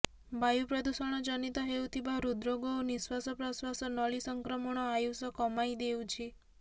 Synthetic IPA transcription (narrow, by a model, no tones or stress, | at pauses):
bajupɾɔd̪usɔɽ̃ɔd͡ʒɔnit̪ɔɦewt̪ʰibaɾud̪ɾoɡowniswasɔpɾɔswasɔnɔɭisɔŋkɾɔmɔɽ̃ɔajusɔkɔmajd̪ewt͡ʃʰi